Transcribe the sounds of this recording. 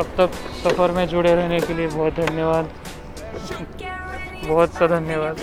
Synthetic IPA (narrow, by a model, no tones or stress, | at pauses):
ɐbt̪ɐksɐfəɾmẽd͡ʒʊɽeɾɛɦnekeliebɔːt̪̚d̪ʱɐnjəʋaːd̪ | bɔːʊt̪sad̪ʱɐnjəʋaːd̪